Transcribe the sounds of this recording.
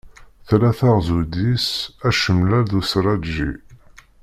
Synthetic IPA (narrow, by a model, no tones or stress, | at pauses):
θlæθaʁzud̪isæʃəmlæɾðusɾˤɑdʒḭ